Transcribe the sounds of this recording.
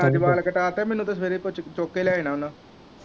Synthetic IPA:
aːiʋaːlkəʈaːt̪ɛːmɛnːũt̪as̬ʋeːɾepʊt͡ʃt͡ʃoːkːelaːenãːʊnãː

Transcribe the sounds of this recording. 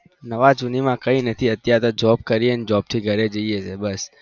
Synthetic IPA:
nəʋad͡ʒunimãkəinət̪ʰiət̪jat̪od͡ʒɔb̚kəɾiəned͡ʒɔb̚t̪ʰiɡʱəɾed͡ʒəiet͡ʃʰebəs

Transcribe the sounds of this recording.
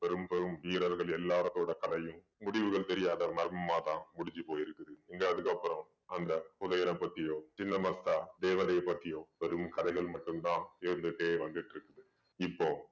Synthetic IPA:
ʋɛɾɯmpɛɾɯmʋiːɾɐɾɣɐɭɛlːaːɾɐt̪ːoːɽɐkɐðɐjɯ̃m | mʊɽɪʋɯɣɐɭt̪ɛɾɪjaːðɐmɐɾmɐmaːt̪ãːnmʊɽɪɲd͡ʒɯpoːjɪɾɯkːɐðɯɛŋɡɐɐðɯkɐpːɯɾɐ̃m | ɐnd̪ɐkʊðɐjɐnɐpːɐt̪ːɪjoːt͡ʃɪnːɐmɐsaːd̪eːʋɐnɐjɐpːɐt̪ːɪjõːʋɛɾɯmkɐðɐɪɣɐɭmɐʈːɯmt̪ãːɪɾɯnd̪ɯʈːeːʋɐnd̪ɪʈːɪɾɯkːɐðɯ | ɪpːoː

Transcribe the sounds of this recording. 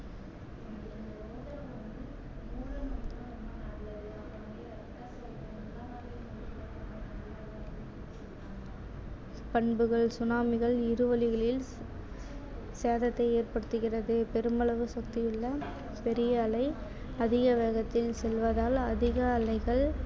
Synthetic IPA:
pɐɳbɯɣɐɭsʊnaːmɪɣɐɭɪɾɯʋɐlɪɣɐɭɪl | seːðɐt̪ːɐɪeːrpɐɽɯt̪ːɯɣɪrɐðɯpɛɾɯmɐɭɐʋɯsɐk̚t̪ɪjɪɭːɐ | pɛɾɪjɐːlɐɪ | ɐðɪɣɐʋeːɣɐt̪ːɪlsɛlʋɐðaːlɐðɪɣɐːlɐɪɣɐɭ

